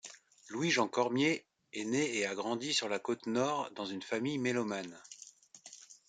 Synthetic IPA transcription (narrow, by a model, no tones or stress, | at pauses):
lwiʒɑ̃kɔʁmje | ɛneːaɡʁɑ̃d̪isyʁlakot̪nɔʁd̪ɑ̃zynfamijmelɔman